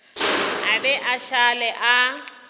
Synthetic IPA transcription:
abɛʔaʃalɛʔa

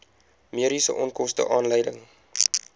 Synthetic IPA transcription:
miəɾisə̰ʔɔnkɔstə̰ʔɑːnləjdəŋ

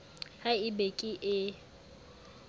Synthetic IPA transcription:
haɪbekʼiʔɪ

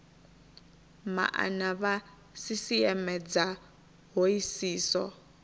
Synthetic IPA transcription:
ma̰ʔa̰naβa | sisiɛmɛd͡za | ɦoisiːsɔ

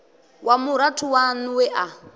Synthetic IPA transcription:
wʔamuɾatʰuwanuwɛʔa

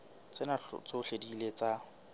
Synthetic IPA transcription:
t͡sʼɪna̰t͡soʊɬedilet͡sa

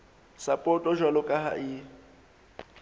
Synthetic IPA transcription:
sapʼɔtʼɔʒwalɔkʼaɦa̰ʔɪ

